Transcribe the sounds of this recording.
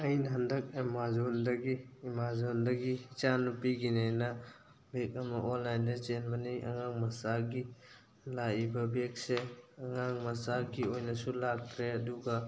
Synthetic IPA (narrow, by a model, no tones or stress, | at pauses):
ɐjnɦɐndɐk̚emazondɐɡiːmazondɐɡit͡ʃanupiɡinajnɐ | bekɐmɐʔɔnajndɐt͡ʃenmɐniʔɐ̰ŋaŋmɐsaɡi | laibɐbek̚seɐŋaŋmɐsaɡiojnɐsulak̚t̪ʰɾeɐduɡa